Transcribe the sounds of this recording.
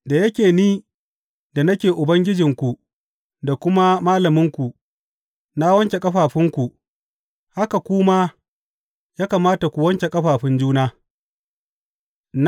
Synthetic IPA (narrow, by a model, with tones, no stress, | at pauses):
da˨jɐ˦kʲeː˨niː˦ | da˨nɐ˦kʲeː˨ʔʊ˨bɐ˦ŋɡʲɪ˦d͡ʒɪ˨ŋkʷu˨ | da˨kʷʊ˦ma˦maː˦lɐ˨mɪ˦ŋkʷu˨ | na˦wɐ˦ŋkʲe˨kʼɐ˦ɸaː˨ɸɪ˦ŋkʷu˨ | ha˦ka˨kʷʊ˦maː˦ | jaː˦ka˨maː˦ta˨kʷu˨wɐ˦ŋkʲe˨kʼɐ˦ɸaː˨ɸɪ˦nd͡ʒuː˦naː˦ | n